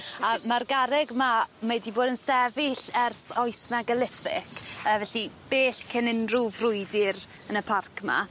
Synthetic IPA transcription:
amarɡaɾɛɡmamejdiboːdənsɛvɪɬɛrsɔjsmaɡəlˠɪfɪ̰kʰəvɛɬib̥eːɬkʰənɪnruvrʊjdɪɾ | ənəpʰarkʰma̰

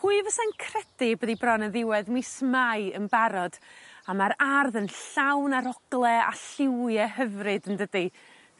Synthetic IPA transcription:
huɨvəsankʰrɛd̥ɪbəðibrɔnɛðɪwɛðmismajənbaɾɔd̥amaɾarðənɬawnaɾɔɡ̥lˠɛa̰ɬɪwjɛɦəvrɨdəndədi

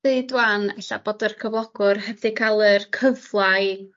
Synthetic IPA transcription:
eɨdwanɛɬa̰boːdərkʰəvlˠɔɡ̥ʊrɦɛdɨkʰalˠərkʰəvlˠaɨ

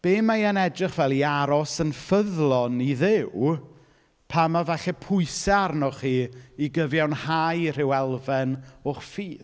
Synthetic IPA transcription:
b̥eːmajənɛdrɪχvɛlˠiaɾɔsənfəðlˠɔniðɪw | pʰamavɛɬɛpʰʊɨsɛarnɔχiːiɡəvjawnhajr̥ɪwɛlˠvɛnʊχfiːð

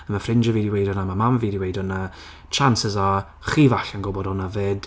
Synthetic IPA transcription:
əmafrɪnd͡ʒəvidiwejdɔnamamamvidiwejdɔna | t͡ʃʰansɛza | χiːvaɬanɡɔbɔdɔnaveːd̥

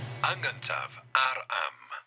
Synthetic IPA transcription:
aŋəntʰa̰vaɾa̰m

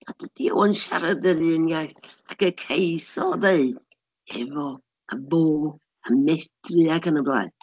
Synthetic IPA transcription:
ad̥ədio̰ɔnʃa̰ɾəðəljɨnɡajθakəkʰejsɔðeɨd̥ | ɛ̰vɔ | aboː | amɛtʰrɨakʰənəblˠa̰ɨn

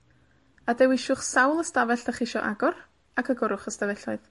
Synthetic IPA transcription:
adɛwɪʃʊχsawlˠəstavɛɬəχɪʃɔʔaɡɔr | akʰəɡʊɾʊχəstavɛɬɔɨð

